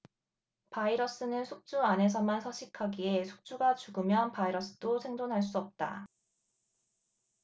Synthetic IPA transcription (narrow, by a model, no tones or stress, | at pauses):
paiɾʌs͈ɯnɯnsʰuk̚t͡ɕ͈uanɦe̞s̬ʰʌmansʰʌɕ͈ʰikʰaɡie̞sʰu̥k̚t͡ɕ͈uɡat͡ɕuɡɯmjʌnpaiɾʌs͈ɯ̥dosʰe̞ŋdonɦaɭs̬͈uʌp̚t͈a̰